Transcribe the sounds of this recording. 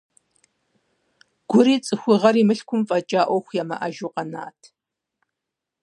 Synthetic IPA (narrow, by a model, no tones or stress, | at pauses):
ɡ̥ʷʊɾiːt͡sʼɨxʷʊʁɐɾiːmɨɬkʷʰʊmfʼɐt͡ʃʼaːʔʷɔxʷjaːmɐ̰ʔa̰ʒuqɐna̰ːtʰ